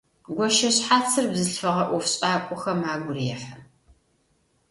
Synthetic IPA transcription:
ɡʷɔʃɐɕħaːt͡sʰɨrbzɨɬfɐʁɐʔʷɔfɕʼaːkʷʼɔxɐmaːɡʷʊrijɛħɐ

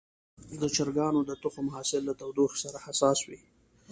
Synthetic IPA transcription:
d̪ət͡ʃaɾɡɑnod̪ət̪ʊxomaɦɑsɪlːat̪awd̪uxsaɾahasɑswi

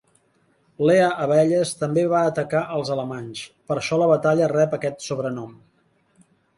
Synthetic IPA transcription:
leəʔəβɛʎəst̪əmbeβaːt̪əkaʔəlˠzələmaɲspəɾʃɔləβət̪aʎərɛpəkɛt̪suβɾənɔm

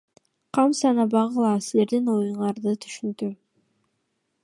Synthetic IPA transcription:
qʰɑmsɑnɑbɑʁɯlˠɑsile̞ɾd̪ino̞juɴɑɾd̪ɯt̪ʰy̥ʃynd̪y

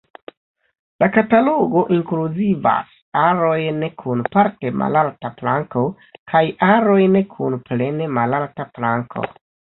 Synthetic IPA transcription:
lakataloɡo̞ʔiŋkluziva̰s | aɾo̞jnekʰunpaɾte̞mʔa̰laltaplaŋko̞ | kʰajaɾo̞jnekʰunple̞ne̞malaltaplaŋkʰo̞̰

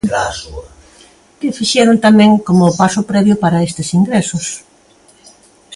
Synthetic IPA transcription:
asu | kɪfiʃɛɾʊnt̪amɛ̃ŋkomʊpasʊpɾɛβjʊpaɾɐest̪ɪsiŋɡɾɛsʊs

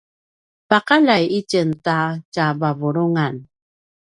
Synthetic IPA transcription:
pakalajicəntacabavuɾuŋan

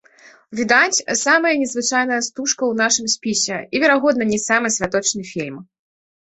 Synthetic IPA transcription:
vʲid̪at͡sʲsamɐjɐnʲɛzvɨt͡ʂajn̪ɐjɐst̪uʂkɐwnaʂɨmsʲpʲisʲɛivʲɛɾaɣɔd̪nɐnʲisamɨsʲvʲat̪ɔt͡ʂnɨfʲilʲm

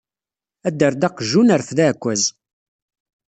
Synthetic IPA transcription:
æd̪ːəɾd̪ɑqʒunəɾθðæːkʷːæz

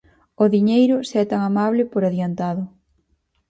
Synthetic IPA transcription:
ʊðiɲejɾʊseɛt̪aŋamaβlɪpoɾaðjant̪aðʊ

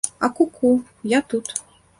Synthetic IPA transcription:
ɐkukʰu | jat̪ut̪

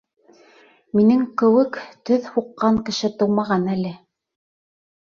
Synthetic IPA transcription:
minɘŋkɘ̆wɘkt̪ɵðhuqːɑŋkɘ̆ʃɘt̪ɤ̆wmɑʁɑnælɘ

